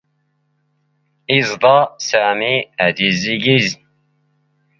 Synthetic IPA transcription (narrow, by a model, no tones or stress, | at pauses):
izd̪ɑsaːmiæd̪iziɡizn